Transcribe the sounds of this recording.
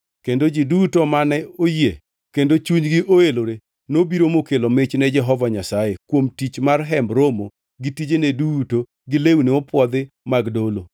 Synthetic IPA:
kendod͡ʒidutomanɛoje | kendot͡ʃuɲɡɪʔoeloɾe | nobiɾomokelomɪt͡ʃnɛd͡ʒɛɦɔvaɲasajekwomtit͡ʃmarɦɛmbɾomo | ɡitid͡ʒeneduto | ɡɪlewuneopwɔd̪ɪ | maɡdolo

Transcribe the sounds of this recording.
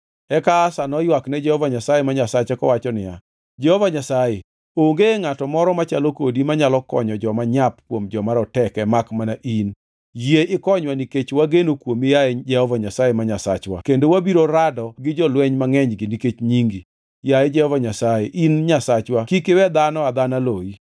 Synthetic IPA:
ɛkaːsanɔjwaknɛd͡ʒɛhɔvaɲasajemaɲasat͡ʃɛkɔwat͡ʃɔnɪja̰ | d͡ʒɛhɔvaɲasaje | oŋɡeŋatɔmɔɾɔmat͡ʃalokodimaɲalɔkɔ̰ɲɔd͡ʒɔmaɲapkwomd͡ʒɔmaɾɔtɛkɛmakmanaʔin | jeɪkɔɲwaniket͡ʃwaɡenokwomɪjad͡ʒɛhɔvaɲasajemaɲasa̰t͡ʃwa̰kendowabiɾoɾadɔɡɪd͡ʒɔlwɛɲmaŋɛɲɡɪniket͡ʃɲiŋɡi | jaed͡ʒɛhɔvaɲasajeʔinɲasat͡ʃwakikɪwɛd̪anɔad̪analoi

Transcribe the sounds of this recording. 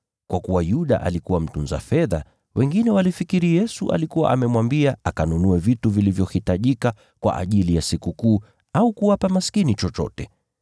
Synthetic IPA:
kwakuwajuɗa̰ʔa̰likuwam̩tunza̰fɛða̰ | wʔɛŋɡinɛwalifikiɾijɛsuʔa̰likuwa̰ʔamɛmwambiaakanunuɛvituvilivjɔhitaʄika | kwa̰ʔa̰ʄilijasikukuː | aukuwapamaskinit͡ʃɔt͡ʃɔ̰tɛ

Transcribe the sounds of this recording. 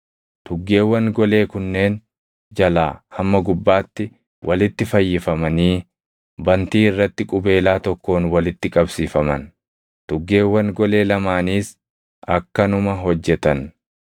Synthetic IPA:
t̪ʊɡːe̞ːwːɐnɡɔle̞ːkʊnːe̞ːn | d͡ʒɐlaːhɐmːɐɡʊbːaːt̪ːɪ | wʔɐlɪt̪ːɪfɐjːɪfɐmɐniː | bɐnt̪iːɪrːɐt̪ːɪkʼʊbe̞ːlaːt̪ɔkːo̞ːnwɐlɪt̪ːɪkʼɐbsiːfɐmɐ̰n | t̪ʊɡːe̞ːwːɐŋɡɔle̞ːlɐmaːniːs | ʔɐkːɐnʊmɐɦɔd͡ʒːɛt̪ɐn

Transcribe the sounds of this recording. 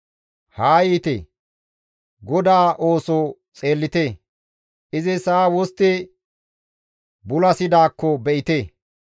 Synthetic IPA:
haːjiːt̪ḛ | ɡɔd̪aːʔo̞ːsɔ | t͡sʼe̞ːlːɪt̪eː | ʔɪzɪsaːwɔst̪ːɛ | bʊlɐsɪd̪aːkːɔbɛʔɪt̪eː

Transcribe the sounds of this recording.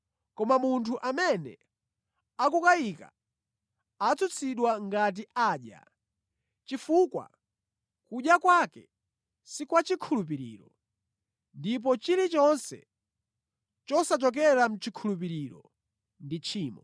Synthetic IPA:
kɔmamuntʰuʔamɛnɛ̰ | akukajika̰ | at͡sʰut͡sʰiɗwaŋɡat̬iʔaːɗja̰ | t͡ʃifukwa̰ | kuɗjakwakɛ | sikwat͡ʃikʰulup̬iɾḭːɾɔ | ndip̬ɔt͡ʃiɾit͡ʃɔnsɛ̰ | t͡ʃɔsat͡ʃɔk̬ɛɾam̩t͡ʃikʰulup̬iɾiɾɔ̰ | ndit͡ʃʰiːmɔ

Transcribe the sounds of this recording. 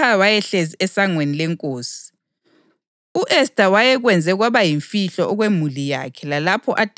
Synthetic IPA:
awajɛɬeziɛsaŋwenilɛŋkʼoːsi̥ | uʔɛstʼawajɛɣwɛnd͡zʱɛuɣwaβajiɱfiɬɔʔɔɣwemulija̰kʰɛlalapʰɔʔatʼ

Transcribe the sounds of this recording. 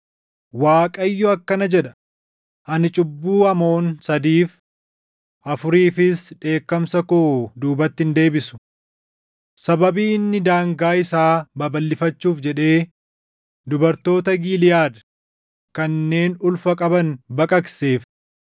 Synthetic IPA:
waːkʼɐjːɔɐkːɐnɐd͡ʒɛᶑɐ̥ | ʔɐnɪt͡ʃʼʊbːuːɐmo̞ːnsɐd̪iːf | ʔɐfʊɾiːfɪsᶑe̞ːkːɐmsɐkod̪uːbɐt̪ːɪnd̪e̞ːbɪsʊ̥ | sɐbɐbiːɪnːɪd̪aːŋɡaːɪsaːbɐbɐlːɪfɐt͡ʃːuːfd͡ʒɛᶑe̞ː | d̪ʊbɐɾt̪o̞ːt̪ɐɡiːlɪjaːd̪ɐ̥ | kɐnːe̞ːnʊlfɐkʼɐbɐnbɐkʼɐkse̞ːf

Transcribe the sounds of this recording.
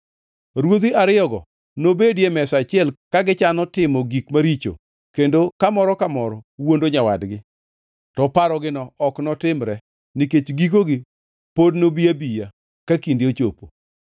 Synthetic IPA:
ɾwot̪iaɾɪɔɡɔ̰ | nobedjemɛsat͡ʃɪɛlkaɡɪt͡ʃanɔtɪmɔɡikmaɾit͡ʃo̰ | kendokamɔɾɔkamɔɾɔwondoɲawadɡɪ | tɔpaɾɔɡɪnɔɔknɔtɪmɾɛ | niket͡ʃɡik̬oɡɪ | podnobijabija | kakindjot͡ʃo̰po̰

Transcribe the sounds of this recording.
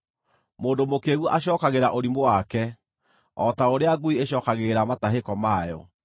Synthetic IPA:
moːndomokeːɣuʔaɕjɔːkaɣeɾaʔoɾimowakɛ | ɔtaoɾeaɡuieɕɔkaɣeɾamataɦekɔmaːjɔ̰

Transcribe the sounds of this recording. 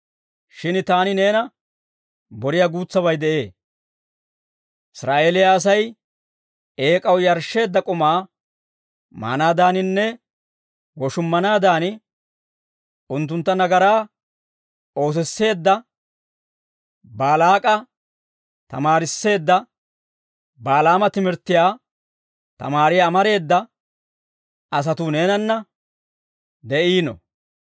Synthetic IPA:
ʃɪnt̪aːnɪne̞ːnɐ | bɔɾɪjaɡuːt͡sːɐβɐjd̪ɛʔe̞ː | ʔɪsɾaːʔe̞ːlɪjaːs̬ɐj | e̞ːkʼɐwjɐɾʃːe̞ːd̪ːɐkʼʊmaː | ma̰ːnaːd̪aːnɪnːɛ | wɔʃʊmːɐnaːd̪aːn | ʊnt̪ːʊnt̪ːɐnɐɡɐɾaː | o̞ːs̬ɛsːe̞ːd̪ːɐ | baːlaːkʼɐ | t̪ɐ̰maːɾɪsːe̞ːd̪ːɐ | baːlaːmɐt̪ɪmɪɾt̪ːɪjaː | t̪ɐ̰maːɾɪjaːmɐɾe̞ːd̪ːɐ | ɐs̬ɐt̪ʊne̞ːnɐnːɐ | d̪ɛʔiːnɔ̰

